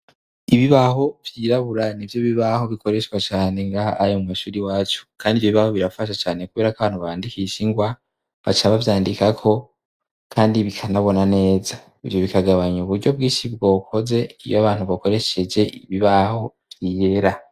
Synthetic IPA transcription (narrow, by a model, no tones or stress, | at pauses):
iβiβaho̞vjiːɾaβuɾanivjoβiβaho̞βiko̞ɾe̞ʃkwat͡ʃaːne̞ŋɡaːjomumaʃuːɾiwaːt͡ʃu̥kʰaːndivjoiβaho̞βiɾafaʃ̬at͡ʃaːnekuβe̞ːɾakaβaːn̥huβaaːndikisiŋɡwa | βa̰t͡ʃaβavjaːndikakʰo̞ | kʰaːndiβikʰanaβo̞nane̞ːza | ivjo̞βikaɡaβaɲuβuɾɟo̞b̚ɡiːʃibɡo̞ːkʰo̞ze̞ijoaβaːn̥uβako̞ɾe̞ʃe̞d͡ʒe̞ʔiβiβaho̞ | vjiːje̞ɾa